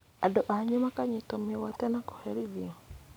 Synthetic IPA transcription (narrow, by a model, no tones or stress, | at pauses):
adɔʔaɲimakaɲitɔmiwatɛnakɔ̥hɛɾiðiɔ